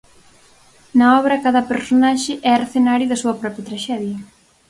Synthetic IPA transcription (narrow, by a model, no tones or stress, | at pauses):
nɐɔβɾɐkaðɐpeɾsonaʃɪʔɛɐɾθenaɾjʊðɐsuɐpɾɔpɾjɐt̪ɾaʃɛðjɐ